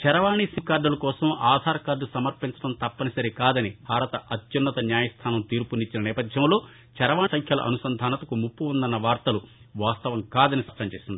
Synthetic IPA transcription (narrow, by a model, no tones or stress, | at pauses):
t͡ʃɛɾɐʋaːɳisikaːɖɐlɐkɔːsɐmaːd̪ʱaːɾɐkaːɾɖ̪usɐmɐɾpint͡ʃɐɽɐmt̪ɐpːɐnisɐɾikaːd̪ɐnibʱaːɾɐt̪ɐʔɐt̪junːɐt̪ɐnjaːjɐst̪ʰaːnɐmt̪iːɾpunit͡ʃːinɐnɛːpɐd̪ʱjɐmlo̞ː | t͡ʃɛɾɐʋaːsɐŋkʰjɐlɐ̰ʔɐ̰nusɐnd̪ʱaːnɐt̪ɐkumupːuund̪ɐnːɐʋaːɾt̪ɐlu | ʋaːst̪ɐʋɐmkaːd̪ɐnisɐʂʈɐmt͡ʃeːsind̪i